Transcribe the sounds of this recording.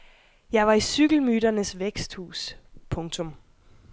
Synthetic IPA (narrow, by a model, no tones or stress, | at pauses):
jɑ̈ɪʋɑ̈isyɡ̥l̩myːɾɐnəsʋeɡ̥sd̥hṵːspʰɔ̽ŋt͡sʰɔ̽m